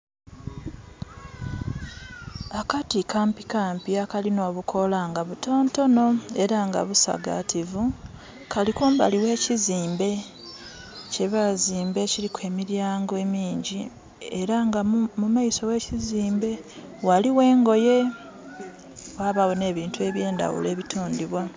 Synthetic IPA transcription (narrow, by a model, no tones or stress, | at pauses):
akatikaːmpikaːmpiakalino̞ːβukʰo̞laŋɡaβuto̞ːnto̞no̞e̞ɾaŋɡa̰βusa̰ɡa̰tʰivu | kalikoːmba̰liwe̞ːciziːmbe̞ | ce̞βaziːmbe̞cilikwe̞ːmiɾjaːŋɡoemiːɲɟi | e̞ɾaŋɡamumaiso̞we̞ciziːmbe̞ | waliwe̞ːŋɡo̞je̞ | waβawone̞ːβiːntue̞βje̞ːnda̰wṵle̞ːβitʰoːndiβwa